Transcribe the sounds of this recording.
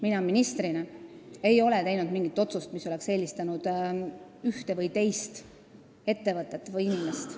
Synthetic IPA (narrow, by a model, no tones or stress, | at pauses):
minɑminist̪ɾinɑ | e̞jo̞let̪e̞jnud̪miŋɡ̥it̪ːˑo̞t̪sust̪miso̞le̞kse̞ːlʲist̪ɑnud̪̥ | yht̪evɤjt̪e̞jst̪ | e̞t̪ːe̞vɤt̪ːˑet̪ːvɤjinimest̪